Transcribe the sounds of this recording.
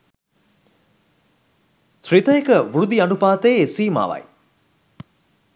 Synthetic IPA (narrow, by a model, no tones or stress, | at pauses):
srit̪əjekəʋuɾud̪ianupaːt̪əjsiːma̰ːʋɐ̰j